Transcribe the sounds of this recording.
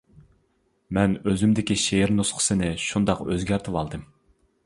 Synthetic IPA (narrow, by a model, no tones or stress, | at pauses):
mɛnøzymd̪ɪkʲiʃeɾnusqʰə̥sɨnɪʃund̪ɑqøzɡʲæɾt̪ʰɨwɑlˠd̪ɨm